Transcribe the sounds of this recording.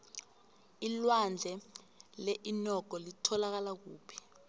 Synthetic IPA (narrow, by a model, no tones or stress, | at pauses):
ilwand͡ɮʱɛ | leʔinɔɡ̥ʱɔlitʰɔlak̬alak̬uːpʰi̥